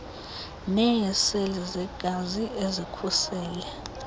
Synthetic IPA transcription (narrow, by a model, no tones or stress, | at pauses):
nɛjɛselizɛɡ̥ʱaziezikʰusɛːlɛ